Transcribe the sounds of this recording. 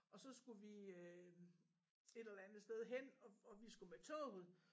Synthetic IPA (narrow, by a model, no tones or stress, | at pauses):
ʔɒ̽sɒ̽sɡ̥uʋiø | e̝ɾ̥elɐænð̩ˠsd̥eð̞ˠɦen̰ɒ̽ɒʋisɡ̥umet͡sʰɔ̰ð̩ˠ